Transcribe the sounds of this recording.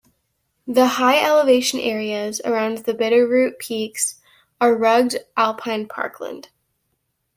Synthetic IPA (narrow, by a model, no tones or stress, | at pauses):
ðəhaɪɛlˠəveɪʃɨ̃nʔɛɹiɨzə̰˞ãʊ̃nðɨbɪɾə˞ɹʉt̚pʰiks | ə˞ɹʌɡ̚dʔælˠpʰãɪ̃npʰɑ̰ɹkʰlə̰̃nd̥